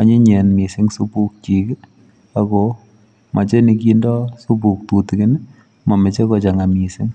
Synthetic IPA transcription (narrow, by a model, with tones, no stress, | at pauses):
a˨ɲe˦ɲɛ˨nmi˨sɪ˦ŋsu˦pu˦k̚t͡ʃi˨k | a˨ko | ma˨t͡ʃe˦ni˧k̬indɔ˦su˦pu˨k̚t̪u˨tikɪ˦n | ma˨mɛ˨t͡ʃe˦kɔt͡ʃaŋami˨sɪ˦ŋ